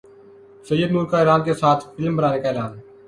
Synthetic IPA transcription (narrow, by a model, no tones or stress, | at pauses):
səjːəd̪nuːɾkaːeːɾaːnkeːsaːt̪ʰfɪlmbənaːneːkaːeːɾaːn